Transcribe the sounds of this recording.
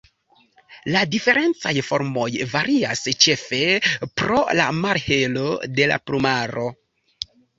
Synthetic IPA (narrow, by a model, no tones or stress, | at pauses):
ladife̞ɾe̞nt͡sajfo̞ɾmo̞jvaɾiast͡ʃe̞fe̞pɾo̞la̰maɾhe̞lo̞de̞la̰plumaɾo̞